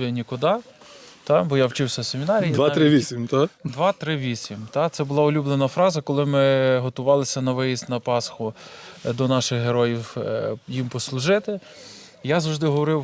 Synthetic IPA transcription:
nʲikʊd̪ɑt̪ɑbɔjawt͡ʃɪwsʲɐsʲemʲinɑɾʲijdʋɑɾɪʋʲisʲimt̪ad̪ʋɑt̪ɾɪʋʲisʲimt̪ɑt̪sɛbʊlˠɑʊlʲublˠenɐfɾɑzɐkɔlˠɪmɪɦɔt̪ʊʋɑlˠɪsʲɐnɐʋɪjisʲt̪ʲnɐpɑsxʊd̪ɔnɑʃɪxɦeɾɔjiwjimpɔslˠʊʒɪt̪ɪ | jazɐwʒd̪ɪɦɔʋɔɾɪw

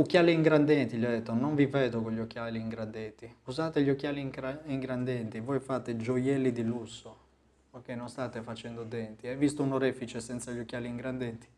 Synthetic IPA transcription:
ukːjaːliːŋɡɾand̪ɛnt̪iʎadd̪ːɛt̪ːonoɱvivɛːd̪okoʎːok̟ːjaːliːŋɡɾand̪ɛnt̪iuzaːt̪eʎokːjaːliɾaiŋɡɾand̪ɛnt̪ivojfaːt̪ed͡ʒojɛlːid̪ilusːo | ok̟ːenonst̪aːt̪efat͡ʃɛnd̪od̪ɛnt̪iavist̪ounoɾɛfit͡ʃɛsɛnt̪saʎokːjaːliiŋɡɾand̪ɛnt̪i̥

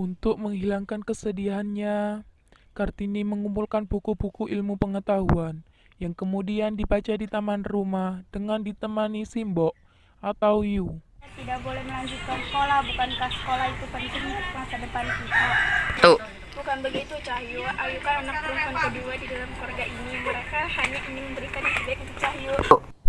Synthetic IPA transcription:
unt̪ʊk̚məŋɦilaŋkankəsədiaɦanɲa | kart̪iniməŋumpulkanbukubukuʔilmupəŋət̪aɦṵan | jaŋkəmudiandibat͡ʃadit̪amanrumahd̥əŋandit̪əmanisimbɔʔ | ʔat̪awjuat̪idaʔbolɛhməlaɲd͡ʒut̪̚kansə̥kolahbukankahsə̥kolahit̪upənt̪ɪŋmasadəpankit̪ut̪u | b̥ukanbəɡit̪ut͡ʃahjuʔajukananak̚pʊnpənt̪ədiwadidalamkwarɡaʔiniməɾakahaɲaʔiniməmbəɾikandisidat̪̚unt̪uk̚t͡ʃaɦju

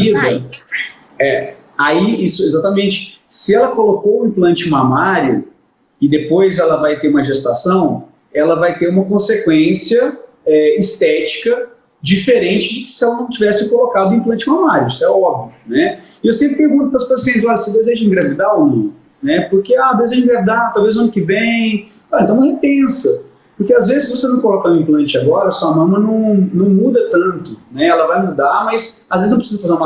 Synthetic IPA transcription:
id̪ | ɛ | aiisʊezat̪ɐmẽnt͡ʃɪ̥sɪɛlɐkolokoʊĩmplɐ̃nt͡ʃɪmamaɾjʊ̰ | ɪd̪epojzɛlɐvajt̪eɾũmɐʒest̪asɐ̃w̃ | ɛlɐvajt̪eɾũmɐkõsekwẽsiɐ | ɛist̪ɛt͡ʃi̥kɐ | d͡ʒifeɾẽnt͡ʃɪd͡ʒɪkɪ̥sɪɛlnɐ̃w̃t͡ʃivɛsɪkolokad̪ʊ̃ĩplɐ̃t͡ʃɪmamaɾjʊisʊɛɔbiʊnɛ | ɪewsẽmpɾɪpeɾɡũt̪ʊpɾɐspsĩzɔʎɐsed̪ezeʒɐĩɡɾavid̪aʊmĩnʊ | nɛpoɾkead̪ezeʒɐĩŋɡɾavid̪at̪awvezuɐ̃nʊkɪvẽj̃ | ɔlɐ̃ɐ̃vosepẽsɐ | pʊɾkeazvezɪsːɪvosenɐ̃w̃kolɔkãĩplɐ̃nt͡ʃɪaɡɔɾɐsɔɐmɐ̃mɐ̃nɐ̃w̃nɐ̃w̃mud̪ɐt̪ɐ̃t̪ʊnɛɛlɐvajmud̪amɐjsazveznɐ̃pɾɪsizɐfazeũma

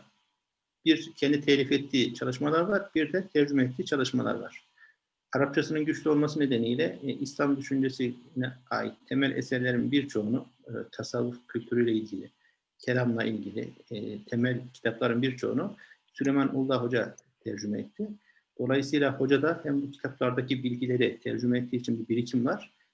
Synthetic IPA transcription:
b̥iɾcʰɛnd̪it̪ʰɛlʲifɛt̪ʰːiːt͡ʃʰalˠɯʃmalˠaɾvaɾb̥iɾd̪ɛt̪ʰæɾd͡ʒymɛɛt̪ʰːiːt͡ʃʰalˠɯʃmalˠa̰ɾva̰ɾ̥ | aɾap̚t͡ʃʰasɯnɯnɟyt͡ʃlʲyo̞lˠmasɯne̞d̪enijlʲɛʔislʲˠamd̪yʃynd͡ʒesinɛa̰ːjit̪ʰːemælʲʔɛ̰sɛɾlʲeɾinbiɾt͡ʃʰo̞unut̪ʰasavːufcʰylʲt̪ʰyɾyjlʲɛilʲɟilʲi | cʰelʲamlˠaʔilʲɟilʲḭt̪ʰemælʲcʰi̥t̪ʰaplˠaɾɯnbiɾt͡ʃʰo̞̰ṵnusylʲejmænʔulˠːaɦo̞d͡ʒat̪ʰæɾd͡ʒymɛɛt̪ʰːɪ | d̪̥o̞lˠajɯsɯjlˠaho̞d͡ʒad̪ahæmbucʰi̥t̪ʰaplˠaɾd̪acʰibilʲɟilʲe̞ɾɛt̪ʰæɾd͡ʒymɛːt̪ʰːiːt͡ʃʰinbibiɾicʰimvaɾ̥

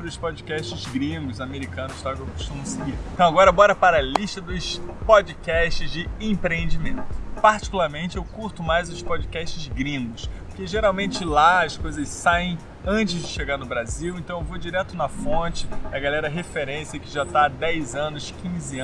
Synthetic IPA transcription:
pɾɪʊspod͡ʒikɛʃt͡ʃɪzɡɾĩŋɡʊzameɾikɐ̃nʊst̪akewko̥ʃt̪ũmʊsɪɡiɾẽt̪ɐ̃w̃aɡɔɾɐbɔɾɐpaɾɐliʃt̪ɐd̪ʊspod͡ʒikɛʃt͡ʃɪzd͡ʒɪẽpɾeẽnd͡ʒimẽnt̪ʊpaɾt͡ʃi̥kulaɾmẽnt͡ʃɪewkuɾt̪ʊmajzʊspod͡ʒikɛʃt͡ʃɪzɡɾĩŋɡʊspʊɾkeʒeɾawmẽnt͡ʃɪlaɐskojzɐssaẽj̃ | ɐ̃nt͡ʃɪzd͡ʒɪʃeɡaɾnʊbɾaziwẽnt̪ɐ̃w̃ewvod͡ʒiɾɛt̪ʊnɐfõt͡ʃɪɐɡalɛɾɐɦefeɾẽsiɐkɪʒat̪aad̪ɛjzɐ̃nʊskʰĩzɪ̃

